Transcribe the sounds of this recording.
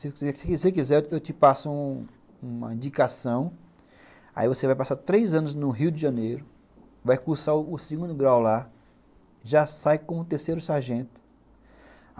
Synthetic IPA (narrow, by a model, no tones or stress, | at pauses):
sɪsesɪksekizɛɾewt̪ɪpasʊũ | ũmɐ̰ĩd͡ʒikasɐ̃w̃ | a̰ivosevajpasaɾt̪ɾejzɐ̃nʊznʊɦiwd̪ɪʒɐ̃nejɾʊ | vajkuɾsaʊʊsiɡũnd̪ʊɡɾawla | ʒasajkõmʊt̪eɾsejɾʊsaɾʒẽt̪ʊ̥